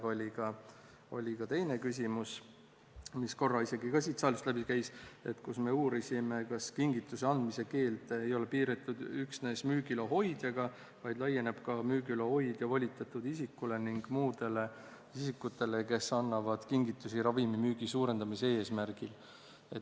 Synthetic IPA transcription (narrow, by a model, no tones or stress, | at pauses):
o̞lʲikɑ | o̞̰lʲikɑt̪e̞jne̞kys̬ʲimus | misko̞rːɑise̞ɡikɑsit̪sɑːlust̪læbikæjse̞t̪ːkusme̞uːɾisime̞kɑskiŋɡ̥it̪ːˑuse̞ɑnd̪̥mise̞ke̞ːlt̪ejo̞le̞piːɾet̪ːˑud̪̥yksne̞ːsmyːɡiloɦo̞jd̪̥jɑɡɑ | vɑjd̪̥lɑje̞ne̞b̥kɑmyːɡylo̞ho̞jd̪̥jɑvɑlʲit̪ːˑɑt̪ːˑud̪̥isikːˑule̞niŋɡ̥muːd̪̥e̞le̞ | isikːut̪ːˑe̞leke̞sɑnːɑvɑd̪̥kiŋɡit̪ːˑusiɾɑvimimyːɡ̥isuːɾe̞nd̪̥ɑmise̞e̞ːsmæɾɡ̥il | e̞t̪ː